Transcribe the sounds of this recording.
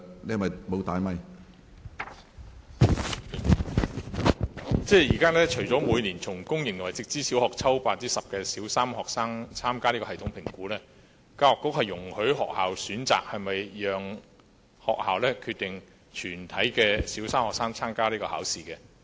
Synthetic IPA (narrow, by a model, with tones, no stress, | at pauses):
n˨˩mɐ˨jmo˨˧wt̪aː˨jmɐ˨˧j | t͡sɛː˥jiː˨˩kaː˥lɛː˥t͡ʃʰɵ˨˩ɥt͡sɔː˨˥muː˨˧jniː˨˩nt͡sʰʊ˨˩ŋkʊ˥ŋjɪ˨˩ŋjwɐ˨˩jt͡sɪ˧k̚t͡siː˥si˨˥whɔː˨k̚t͡sʰɐ˥wpaː˧tt͡siː˥sɐ˨p̚kɛː˧siː˨˥wsaː˥mhɔː˨k̚saː˥ŋt͡sʰaː˥mkaː˥liː˥kɔː˧hɐ˨˩t̪ʰʊ˨˥ŋpʰɪ˨˩ŋkuː˨˥lɛː˥ | kaː˧ɔː˨˩kːʊ˥k̚hɐ˨jːʊ˨˩ŋhɵ˨˥ɥɦɔ̰ː˨k̚haː˨wsyː˨˥nt͡sa̰ː˨k̚hɐ˨jmɐ˨jjœː˨ŋ | hɔː˨k̚ha̰ː˨wlɛː˥kʰy˧t̪ɪ˨ŋ | t͡ʃʰyː˨˩nt̪ʰɐ˨˥jkɛː˧siː˨˥wsaː˥mhɔː˨ksaː˥ŋt͡sʰaː˥mkaː˥liː˥kɔː˧ha̰ː˨˥wsiː˨kɛː˧